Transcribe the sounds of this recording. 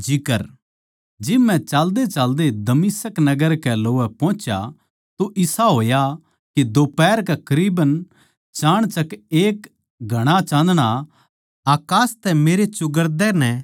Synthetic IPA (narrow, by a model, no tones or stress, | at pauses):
d͡ʒɪkəɾ | d͡ʒɪbmɛ̃t͡ʃaːld̪et͡ʃaːld̪ed̪ɐmisəknɐɡəɾkɛloːʋɛpɔ̃ːt͡ʃja̰ | t̪oʔɪsaɦoːja | kid̪oːpɛːɾkakɾiːbən | t͡ʃaːɽ̃t͡ʃɐkeːk | ɡʱɐɽ̃at͡ʃãːnd̪ɽ̃a | aːkaːst̪ɛmeːɾet͡ʃʊɡəɾd̪ɛnɛ̃